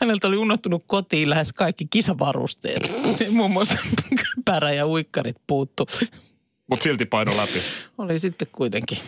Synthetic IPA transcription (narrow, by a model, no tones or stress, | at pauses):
hænelt̪oliunːoht̪unukkot̪iːllæheskɑikːikisɑʋɑ̰rṵst̪ḛːt̪nimuːmːuɑsempkøpæːɾæjɑuikːɑrit̪̚puːt̪ːu | mut̪silt̪ipɑinolæpiolisit̪ːekkuit̪eŋki